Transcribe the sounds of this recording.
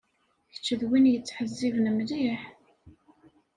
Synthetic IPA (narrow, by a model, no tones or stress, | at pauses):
çə̥t͡ʃːəðwinjət͡sːħəzːivnəmðiħ